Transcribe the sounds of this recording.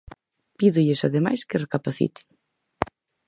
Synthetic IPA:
piðuʎesaðema̰jskerekapaθḭt̪i̥

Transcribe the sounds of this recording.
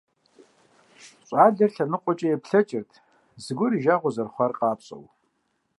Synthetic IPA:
ɕʼɑːɮɐrɬɐnɨqʷʼɔt͡ʃʼɐjɛpʰɬɐt͡ʃʼɪrtʰ | zɨɡʷʊɾiʒaːʁʷɔzɐrχʷɐrqʼɑːpɕʼɐ̰w

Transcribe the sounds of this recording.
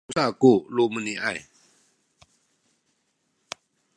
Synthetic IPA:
sakuluməniʔaj

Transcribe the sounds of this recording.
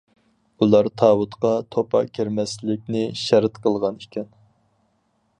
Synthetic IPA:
ulˠɑɾt̪ʰɑːwut̪qɑt̪ʰopʰɑ̰kʲʰiɾmɛslɪk̚ʲnɪʃɛɾt̪qəlˠʁɑnikʲʰɛn

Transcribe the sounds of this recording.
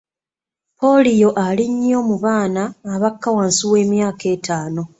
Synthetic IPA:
po̞lijo̞ʔaliɲːo̞ːmuβaːnaːβakːawaːnsiwe̞ːmjaːke̞ːtʰaːno̞

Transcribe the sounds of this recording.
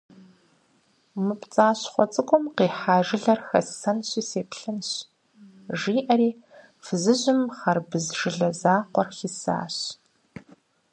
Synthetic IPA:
mɨpt͡sʼaːɕχʷɔt͡sʼɨkʷʼʊmqeːħaːʒɪɮɐrxɐ̰ssɐnɕʼiːseːpʰɬɨnɕ | ʒiːʔɐɾiː | fɨzɨʑɪmχɐrbɨzʒɨɮɐzaːqʷɔrxisa̰ːɕ

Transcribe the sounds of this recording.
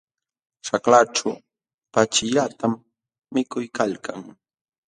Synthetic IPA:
ʃaklaʈ͡ʂa | pat͡ʃɪʎat̪amː | ɪkʊjkalkaŋ

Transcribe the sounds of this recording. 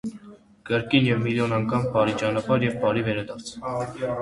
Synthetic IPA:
kəɾkinjɛvmiljɔnɑŋkʰɑmpɑɾit͡ʃɑnɑpɑɾjɛvpɑɾivɛɾɑd̪ɑɾt͡sʰ

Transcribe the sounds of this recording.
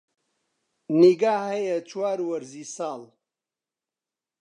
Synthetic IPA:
niɡaːhɐjɐt͡ʃʰwaːɾwɐɾzisaːl

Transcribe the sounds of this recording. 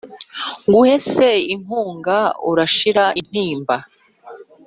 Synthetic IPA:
ŋɡuhe̞seiŋ̥uːŋɡaṵɾaʃiɾaʔin̥iːmba

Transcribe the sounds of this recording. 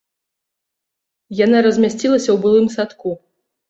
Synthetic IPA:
janaɾɐzʲmʲasʲt͡sʲilˠɐsʲɐwbɨlˠɨmsat̪ku

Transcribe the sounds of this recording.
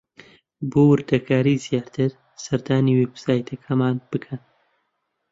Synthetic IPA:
bowɨɾd̪ɐkʰaːɾiːzijaːɾt̪ʰɨɾ | sɐɾd̪aːniːwebsaːjt̪ʰɐkʰɐmaːnb̥ɨkʰɐn

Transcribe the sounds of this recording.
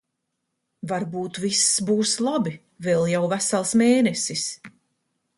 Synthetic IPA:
vaɾbuːt̪visːbuːslˠabi | vɛlˠjawvæsalˠsmeːnɛsis

